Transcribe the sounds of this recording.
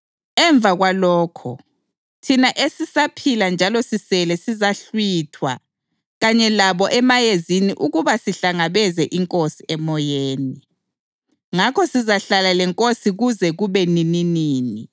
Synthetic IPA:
ɛɱb̪vʱaɣwalɔːkʰɔ̰ | tʰinaʔesisapʰiland͡ʒʱalɔsisɛlɛsizaɬwitʰwa | ɣaɲɛlaβɔʔɛmajeziniʔuɣuβasiɬaŋaβɛzɛʔiŋkʼosiʔɛmɔjeːni | ŋakʰɔsizaɬalalɛŋkʼosiɣuzɛɣuβɛnininiːni

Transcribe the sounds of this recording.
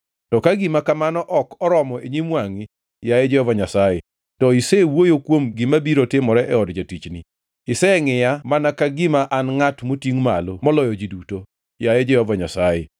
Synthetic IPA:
tɔkaɡɪmakamanɔʔɔkɔɾɔmɔeɲimwaŋɪ | jajɛd͡ʒɛhɔvaɲasajɛ | tɔisɛwojokwomɡɪmabiɾotɪmɔɾɛʔɛɔdd͡ʒatit͡ʃni | ɪsɛŋɪjamanakaɡɪmaʔanŋatmotiŋmalomɔlɔjɔd͡ʒiduto | jajɛd͡ʒɛhɔvaɲasajɛ

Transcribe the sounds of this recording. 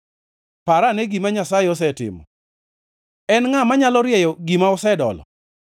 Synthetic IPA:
paɾaneɡimaɲasajɪɔs̬ɛtɪ̰mɔ̰ | ɛnŋamaɲalɔɾjɛjɔɡimaɔsɛdɔ̰lɔ̰

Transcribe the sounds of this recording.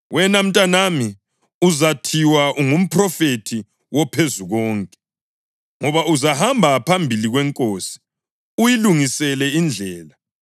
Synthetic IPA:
wɛnam̩tʼanami | uzatʰiwaʔuŋum̩pʰrɔfetʰi | wɔpʰezuɣɔːŋkʼɛ | ŋɔβauzahambʱapʰambʱiliɣwɛŋkʼoːsi̥ | ujiluŋisɛlɛind͡ɮʱɛːla

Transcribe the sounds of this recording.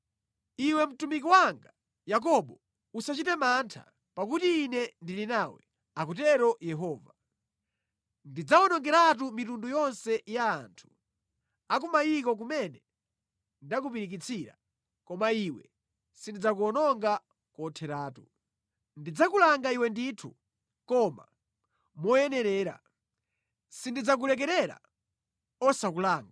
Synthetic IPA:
iwɛm̩tumik̬iwaŋɡa | jak̬ɔɓɔ | usat͡ʃitɛmantʰa̰ | pak̬utiːnɛndilinawɛ̰ | akutɛɾɔjɛɦɔːva | ndid͡zaɔnɔŋɡɛɾat̬umitundujɔnsɛjaːntʰu̥ | ak̬umajikɔk̬umɛnɛ | ndak̬upiɾik̬it͡sʰiɾa̰ | kɔmaiwɛ | sindid͡zak̬uɔnɔŋɡa | kɔtʰɛɾaːtu | ndid͡zakulaŋɡaiwɛnditʰṵ | kɔma̰ | mɔjɛnɛɾɛːɾa̰ | sindid͡zak̬ulɛk̬ɛɾɛɾa̰ | ɔsakulaːŋɡa

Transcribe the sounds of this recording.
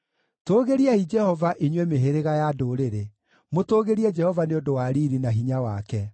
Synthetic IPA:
toːɣeɾiaid͡ʒɛhɔvaʔiɲwɛmeɦeɾeɣajadoɾeɾe | motoːɣeɾiɛd͡ʒɛhɔvaneondowaɾiɾinaɦiɲawakɛ

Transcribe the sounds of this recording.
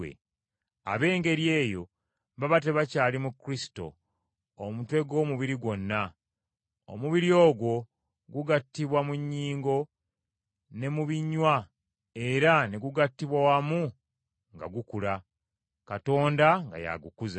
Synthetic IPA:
ḛ | a̰βe̞ːŋɡe̞ɾje̞ːjo̞ | mbaβate̞βacaːlimukːɾisi̥to̞̰ː | mutwe̞ɡo̞ːmuβiɾiɡwo̞nːa | o̰muβiɾio̞ːɡwo̞ | ɡuɡatːiβwamuɲːiːŋɡo̞ | ne̞muβiɲːwa | e̞ɾaneɡuɡatːiβwawamu | ŋɡa̰ɡukula | kato̞ːndaŋɡa̰ja̰ɡukuz

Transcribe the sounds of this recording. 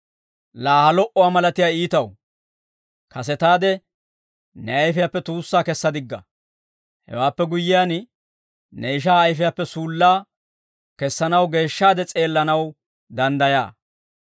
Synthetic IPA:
laːhɐlɔʔɔwaːmɐlɐt̪ɪjaːiːt̪ɐw | kɐs̬ɛt̪aːd̪ɛ | nɛɐjfɪjapːɛt̪uːsːaːkɛsːɐd̪ɪɡːɐ̰ | hɛ̰waːpːɛɡʊjːɪjaːn | nɛɪʃ̬aːɐjfɪjapːɛsuːlːaː | kɛsːɐnɐwɡe̞ːʃːaːd̪ɛt͡sʼe̞ːlːɐnɐw | d̪ɐnd̪ɐja̰ː

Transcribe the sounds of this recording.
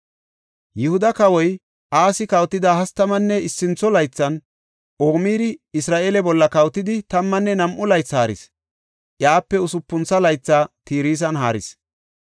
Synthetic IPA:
jɪhʊd̪ɐkɐwɔj | ʔaːsɪkɐwt̪ːɪd̪aːhɐst̪ːɐmɐnːɛɪsːɪnt͡sːɔlɐjt͡sːɐn | ʔoːmiːɾɪɪsɾaːʔeːlɛbɔlːɐkɐwt̪ɪd̪ɪt̪ɐmːɐnːɛnɐmʔʊlɐjt͡sːhaːɾɪ̰s | ʔjaːpːɛʊsʊpːʊnt͡sːɐlɐjt͡sːaːt̪iːɾiːs̬ɐnɦaːɾɪ̰s

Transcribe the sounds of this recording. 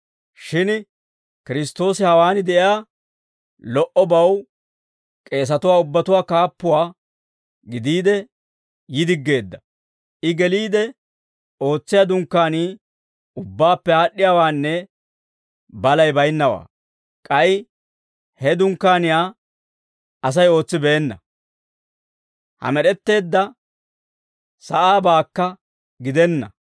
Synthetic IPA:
ʃɪn | kɪɾɪst̪ːo̞ːsɪhɐwaːnɪd̪ɛʔɪjaː | lɔʔɔbɐw | kʼe̞ːs̬ɐt̪ʊwaːʊbːɐt̪ʊwaːkaːpːʊwaː | ɡɪd̪iːd̪ɛ | jɪd̪ɪɡːe̞ːd̪ːɐ | ʔɪɡɛliːd̪ɛ | o̞ːt͡sːɪjad̪ʊŋkːaːniː | ʊbːaːpːɛhaːɗːɪjaːwaːnːɛ | bɐlɐjbɐjnːɐwa̰ː | kʼɐj | hɛd̪ʊŋkːaːnɪjaː | ɐs̬ɐjo̞ːt͡sːɪbɛːnːɐ | hɐ̰mɛɗɛt̪ːe̞ːd̪ːɐ | sɐʔaːbaːkːɐ | ɡɪd̪ɛnːɐ

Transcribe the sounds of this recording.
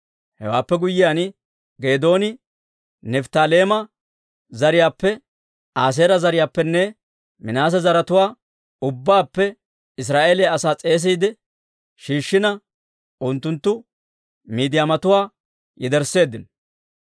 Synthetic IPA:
hɛ̰waːpːɛɡʊjːɪjanɪ | ɡe̞ːd̪o̞ːnɪ | nɛft̪aːleːmɐ | zɐɾɪjaːpːɛ | aːs̬eːɾɐzɐɾɪjaːpːɛnːɛ | mɪnaːs̬ɐzɐɾɐt̪ʊwaː | ʊbːaːpːɛ | ɪs̬ɾaːʔe̞ːlɛɐsaːt͡sʼe̞ːs̬iːd̪ɛ | ʃiːʃːɪnɐ | ʔʊnt̪ːʊnt̪ːʊ | miːd̪ɪjaːmɐt̪ʊwaː | jɛd̪ɛɾsːe̞ːd̪ːɪnɔ

